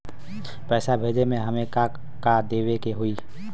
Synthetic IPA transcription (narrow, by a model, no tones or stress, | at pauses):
pɛːsabʱeːd͡ʒemẽɦəmẽka | kad̪eːwekeɦuiː